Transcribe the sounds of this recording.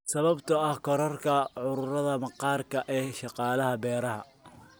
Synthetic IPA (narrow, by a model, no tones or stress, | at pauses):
sɐβɐbt̪ʰɐɐhkʰɔɾɐrkʰɐʕʊɾʊrɐðɐmɑqɑːrkʰɐʔɛːʃɑqɑːlɐɦɐbɛːɾɐɦɐ̰